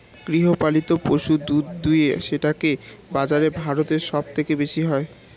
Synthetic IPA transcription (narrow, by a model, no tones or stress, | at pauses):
ɡ̥ɾiɦopalit̪opoʃud̪ud̪ujeʃeʈakebad͡ʑaɾebʱaɾot̪eɾʃɔb̚t̪ʰekebeʃiɦɔe